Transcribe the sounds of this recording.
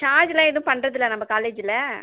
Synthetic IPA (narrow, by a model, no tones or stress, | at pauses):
ʈaːd͡ʒɪlãːɪðʊ̃pɐɳːɾɐðɪlːɐnɐmːɐkaːleːd͡ʒɪlɐ